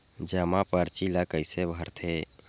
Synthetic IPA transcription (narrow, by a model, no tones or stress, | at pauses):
d͡ʒəmãpəɾt͡ʃilakəɪsebʱəɾt̪ʰe